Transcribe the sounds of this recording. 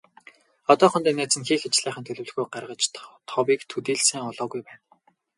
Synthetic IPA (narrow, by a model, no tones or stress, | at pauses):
ɔt̪ɔːχʊnt̪iːnːæːt͡sɘ̆nxiːxet͡ɕɮæːχə̆nt̪ʰɵɮɘ̆wɮ̆ɣujɢarʁə̆t͡ɕt̪t̪ʰːɔwiːkt̪ʰut̪iːɮsæːŋʊɮɔːɣujpæːn